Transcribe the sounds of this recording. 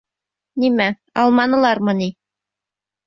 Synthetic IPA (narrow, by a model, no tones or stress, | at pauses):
nimæ | ɑ̰lˠmɑnɤ̆lˠɑɾmɤ̆ni